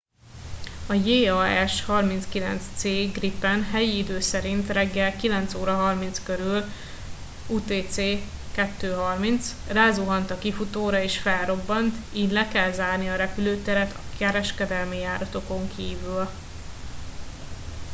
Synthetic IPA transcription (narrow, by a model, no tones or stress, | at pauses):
ɒjeːɒɛʃhɒrminskilɛ̰nt̪st̪seːɡripːɛnɦɛjiid̪øːsɛɾint̪rɛɡːɛlkilɛn̪t̪soːɾɒɦɒrmint̪skøɾyl | uːt̪eːt̪seːkɛt̪ːøːɦɒrmint̪sraːzuɦɒnt̪ɒkifut̪oːɾɒeːʃfɛlro̞bːɒnt̪iːd̪lɛkɛlzaːrniɒɾɛpyløːt̪ɛɾɛt̪ʰɒkɛɾɛʃkɛd̪ɛlmijaːɾɒt̪o̞ko̞ŋkʰiːvyl